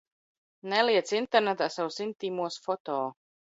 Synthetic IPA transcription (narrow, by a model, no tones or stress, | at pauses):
nɛlˠiɛt̪sint̪ɛɾnɛt̪aːsawsint̪iːmuɔsfɔt̪ɔː